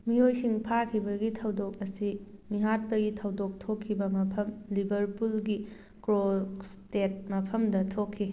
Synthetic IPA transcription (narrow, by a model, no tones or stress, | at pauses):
mijojsiŋpʰakʰibɐɡitʰɐwdok̚ɐsimiɦat̚pɐɡitʰɐwdok̚tʰokʰːibɐmɐpʰɐmlibɐɾpulɡi | kɾostet̚mɐpʰɐmdɐtʰokʰːi